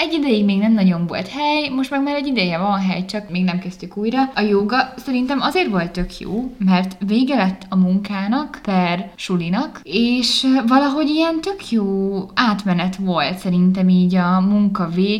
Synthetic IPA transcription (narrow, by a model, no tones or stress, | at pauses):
ɛɟːid̪ɛjiɡmeːɡnɛmnɒɟo̞ɱvo̞̰lt̪hɛjmo̞ʃt̪mɛɡmaːɾɛɟːid̪ɛjɛvɒnɦɛjt͡ʃɒkmeːɡnɛmkɛst̪ykuːjrɒɒjoːɡɒsɛɾint̪ɛmɒzeːrʋo̞lt̪ːø̞kʰjo̰ːmɛrt̪veːɡɛlɛt̪ːɒmuŋkaːnɒkpɛrʃulinɒkeːʃvɒlɒɦo̞ɟijɛnt̪ø̞kʰjoːaːt̪mɛnɛt̪ʋo̞lt̪sɛɾint̪ɛmiːɟɒmuŋkɒveːɡ